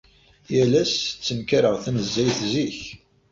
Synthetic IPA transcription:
jælæst͡sːəmkaɾəʁθænəzːæjθziç

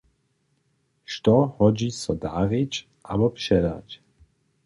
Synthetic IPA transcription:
ʃt̪ɔhɔd͡ʒiːsɔd̪a̰ːɾɪt͡ʃ | ʔabɔpʃɛda̰c

